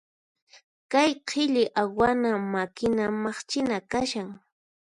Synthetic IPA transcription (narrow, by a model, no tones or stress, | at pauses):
kajqʰɪʎɪʔawanamakɪnamɑχt͡ʃɪnakaʃaŋ